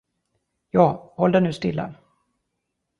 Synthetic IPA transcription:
jɑːhɔld̪ɛnʉ̟ːst̪ɪlːa̰

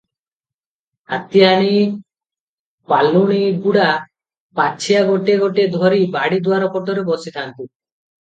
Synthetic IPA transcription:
a̰t̪iaɽ̃i | palːuɽ̃iɡuɽa | pat͡ʃʰijaɡoʈeɡoʈed̪ʱɔɾibaɽid̪uaɾɔpɔʈɔɾebɔsit̪ʰant̪i

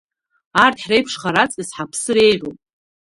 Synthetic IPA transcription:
ardħrejpʰʂχaɾat͡sʼizħapʰsɨɾe̞jʕopʼ

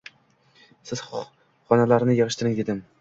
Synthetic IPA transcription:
sɪz̥ | χɒnalaɾnɪjɨʁɨʃt̪ʰɪɾɪŋed̪ɪm

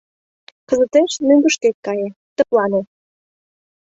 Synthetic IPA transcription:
kə̆zə̆t̪eʃnyŋɡə̆ʃt̪et̪̚kɑjĕ | t̪ə̆plɑne

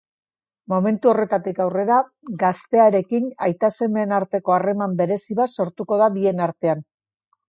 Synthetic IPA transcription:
mo̞me̞nt̪uo̞re̞t̪at̪ikawre̞ɾa | ɡast̪e̞aɾe̞kinajt̪ase̞menaɾt̪e̞ko̞are̞mambe̞ɾe̞siβaso̞ɾt̪uko̞ð̞aβie̞naɾt̪e̞an

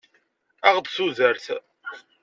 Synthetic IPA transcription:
æʁd̪suðəɾθ

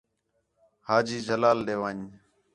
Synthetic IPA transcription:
haːd͡ʒiːd͡ʒəlaːlɗ̪eːʋaːɲ

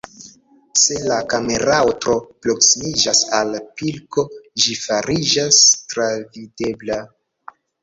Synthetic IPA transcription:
se̞lakame̞ɾaotɾo̞pɾo̞ksimid͡ʒasalpilko̞d͡ʒifaɾid͡ʒastɾavide̞bla

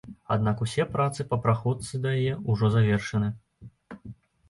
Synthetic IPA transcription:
a̰d̪nakusʲɛpɾat̪sɨpɐpɾaxɔt̪sɨd̪ɐjajɛuʐɔzavʲɛrʂɐnɨ

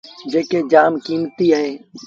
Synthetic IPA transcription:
d͡ʒeːkeːd͡ʒaːmkiːmt̪iːəɦẽː

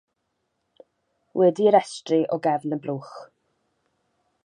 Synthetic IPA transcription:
wʔɛdiəɾɛstrɨʔɔɡɛvnəbluːχ

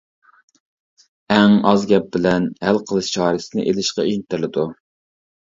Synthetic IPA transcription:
ɛŋɑzɡʲɛp̚bɪlɛnhælqʰəlˠɨʃt͡ʃʰɑːɾɨsɪnɪʔelɪʃqɑint̪ɪɾlɪd̪u

